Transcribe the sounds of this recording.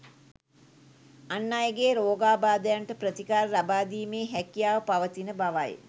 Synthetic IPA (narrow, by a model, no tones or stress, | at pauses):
anːajəɡeːɾoːɡaːbaːd̪əjaɳʈəpɾət̪ikaːɾlabaːd̪iːmeːɦɛkijaːʋəpaʋət̪inəbaʋaj